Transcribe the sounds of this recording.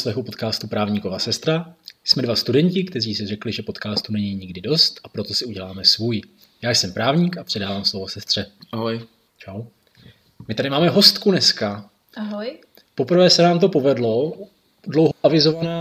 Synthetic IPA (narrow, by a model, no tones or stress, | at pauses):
slɛxupo̞t̪kaːst̪upɾaːvɲikovasɛst̪ɾasmɛdvast̪udɛɲcɪkt̪ɛriːsɪrɛklɪʒɛpot̪kaːst̪unɛɲiɲɪɡdɪdo̞st̪ʔapɾo̞t̪o̞sɪuɟɛlaːmɛsvuːj | jaːjsɛmpɾaːvɲikapr̝̥ɛdaːvaːmslovo̞sɛst̪r̥ɛaɦoj | t͡ʃaw | mɪt̪adɪmaːmɛɦo̞st̪kunɛska | aɦj | po̞pr̩vɛːsɛnaːmt̪̬o̞po̞vɛdlo̞ | dlowɦoʔavɪzo̞vanaː